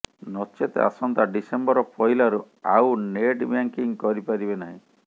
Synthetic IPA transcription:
nɔt͡ʃet̪a̰sɔnt̪aɖisembɔɾɔpʰɔjlaɾu | awneʈbaŋkiŋkɔɾipaɾibenaɦĩ

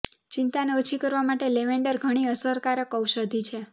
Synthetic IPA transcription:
t͡ʃint̪aneot͡ʃʰikəɾʋamaʈeleʋeɳɖəɾɡʱəɽ̃iəsəɾkaɾəkəwʃəd̪ʱit͡ʃʰe

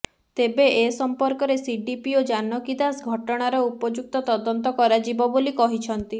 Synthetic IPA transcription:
t̪ebeʔesɔmpɔɾkɔɾesiɖipiod͡ʒanɔkid̪asɡʱɔʈɔɽ̃aɾɔupɔd͡ʒuk̚t̪ɔt̪ɔd̪ɔnt̪ɔkɔɾad͡ʒibɔbolikɔɦit͡ʃʰɔnt̪i

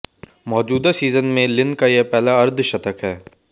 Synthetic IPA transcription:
mɔːd͡ʒuːd̪asiːzənmẽlɪ̃nkajepɛːlaɐɾd̪ʱʃɐt̪əkɦɛː

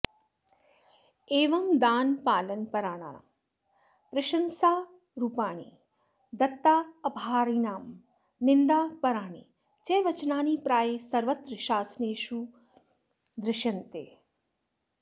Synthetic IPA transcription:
eːʋɐŋd̪aːnpaːlənpɐɾaːɽa̰ːa̰ | pɾɐʃɐnsaː | ɾuːpaːɽ̃ḭ | d̪ɐt̪ːaːɐpaːɾiːnaːm | nɪnd̪aːpɐɾaːɽ̃ḭ | t͡ʃeːʋɐt͡ʃnaːniːpɾaːjesɐɾʋɐt̪ɾəʃaːsneːʃu | d̪ɾɪʃɐnt̪ḛː

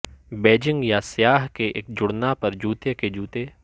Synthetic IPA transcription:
beːd͡ʒɪ̃ŋɡjasjaːɦkeʔeːk̚d͡ʒʊɽnapɐɾd͡ʒuːt̪eked͡ʒuːt̪e

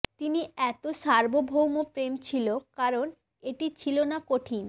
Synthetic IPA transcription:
t̪iniɛt̪oʃaɾbobʱowmopɾemt͡ɕʰilokaɾon | eʈit͡ɕʰilonakoʈʰin

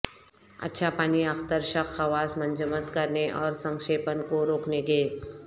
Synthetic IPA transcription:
ɐ̰tːʃʰapaːniɐxt̪əɾʃəxʰɐʋaːsmə̃ɲd͡ʒəmət̪kɐɾneʔɔːɾsə̃ŋkʃeːpənkoɾoːkneɡeː

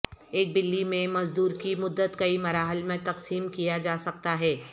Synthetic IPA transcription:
eːk̚bɪlːimẽmɐzd̪uːɾkimʊd̪ːət̪kɐimɐɾaːɦəlmẽt̪ɐqsiːmkijad͡ʒaːsɐk̚t̪aɦɛː

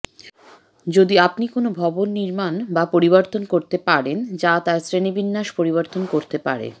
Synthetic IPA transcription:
d͡ʑod̪iapnikonobʱɔbonːiɾmanbapoɾiboɾt̪onkoɾt̪epaɾend͡ʑat̪aɾsɾenebinːaʃpoɾiβoɾt̪onkoɾt̪epa̰ɾḛ

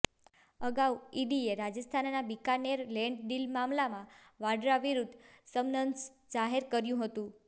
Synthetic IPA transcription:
əɡauiɖieɾad͡ʒəst̪ʰannabikaneɾlɛɳɖɖilmamlamã | ʋaɖɾaʋiɾud̪səmnəns | d͡ʒaɦeɾkəɾjũɦət̪ũ

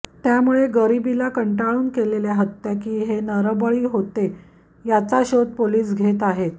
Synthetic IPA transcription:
t̪jamuɭeɡəɾibilakəɳʈaɭuːnkeleljaɦət̪ːakiːɦenəɾəbəɭiːɦot̪e | jat͡saɕod̪̚poliːsɡʱet̪aɦet̪

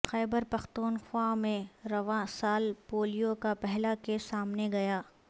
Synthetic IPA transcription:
xɛːbəɾpɐxt̪uːnxwamẽɾɐʋãsaːlpoːlijokapɛɦlakesaːmneɡɐjaː

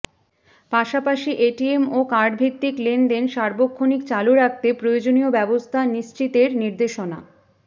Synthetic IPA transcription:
paʃapaʃiʔeʈiemokaɾɖ̚bʱit̪ːiklenɖenʃaɾbokʰːonikt͡ɕaluɾak̚t̪epɾojod͡ʑonijobɛbost̪ʰaniʃt͡ɕit̪eɾniɾd̪eʃona̰

